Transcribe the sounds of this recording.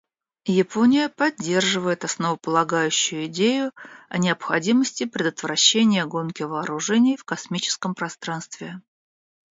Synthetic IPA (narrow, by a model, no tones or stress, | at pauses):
jɪponʲɪjəpɐdʲːe̞rʐɨvəjɪt̪ɐsnəvəpəlˠɐɡajʉɕːʊjʊɪdʲejʊɐnʲɪəpxɐdʲiməsʲtʲɪpɾʲɪd̪ət̪vɾɐɕːenʲɪjəɡo̞nkʲɪvəːɾʊʐɛnʲɪjfkɐsmʲit͡ɕɪ̥skəmpɾɐst̪ɾanst̪vʲɪ